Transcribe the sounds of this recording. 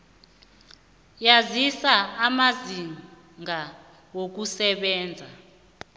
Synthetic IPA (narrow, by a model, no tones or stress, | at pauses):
jazisaːmazi | ŋa | wok̬usɛɓɛːnd͡zʱa